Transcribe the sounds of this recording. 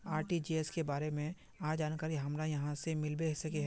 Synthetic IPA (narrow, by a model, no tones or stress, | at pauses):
aːɾʈid͡ʒiːeskebaːɾemẽ | aːd͡ʒaːnkaːɾiɦɐmɾajɐɦãsemɪlbesɐkeɦ